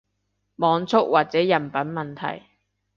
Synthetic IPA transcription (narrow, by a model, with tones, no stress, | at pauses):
mɔː˨˧ŋt͡sʰʊ˥k̚wʔaː˨t̚t͡sɛː˨˥jɐ˨˩npɐ˨˥nmɐ˨nt̪ʰɐ̰˨˩j